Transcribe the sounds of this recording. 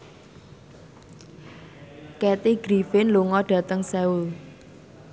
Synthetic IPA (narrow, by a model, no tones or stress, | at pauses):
kɛt̪iɡ̥ɾifɪnluŋɔɖ̥ä̤t̪əŋsɛul